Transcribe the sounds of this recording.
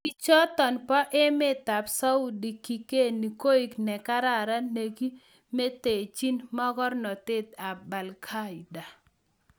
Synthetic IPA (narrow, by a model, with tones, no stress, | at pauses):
i˨t͡ʃɔ˦t̪ɔ˨npɔ˦ʔe˦me˦t̪a˨psa˦u˦di˨ki˨ke˦ni˨ko˦i˨knɛ˨ka˦ɾa˦˨ɾa˦ne˨ɡi˦ | me˦t̪e˨t͡ʃi˦nmɔ˦ɡɔ˦rnɔ˨t̪e˦t̪a˨ba˨lkʰa˦ida˨